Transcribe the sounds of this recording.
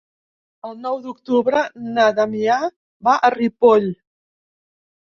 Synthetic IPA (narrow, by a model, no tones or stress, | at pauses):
əlˠnɔwd̪ukt̪uβɾənaðamia | βaʔəripɔʎ